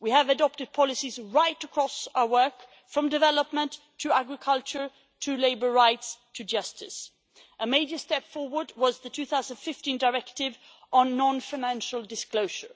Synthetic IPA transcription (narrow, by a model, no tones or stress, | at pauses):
wiɨvɨdɑp̚tɨd̚pʰɑlˠɨsizɹaɪɾəkʰɹ̥ɔsaʊə˞wɜ˞k | fɹʌ̃mdɨvɛləpmə̃ntʰɨæɡɹɨkʰʌlˠt͡ʃə˞ | tʰɨleɪbə˞ɹaɪtstʰɨd͡ʒʌstɪ̰s | ʔəmeɪd͡ʒə˞stɛpfɔɹwə˞d̚wʌzðɨtʰʉθaʊzə̃n̩d̥fɪftĩndəɹɛktɪv | ʔə̃nːɑ̃nfaɪnæ̃nʃl̩ˠdɨskloʊʒə˞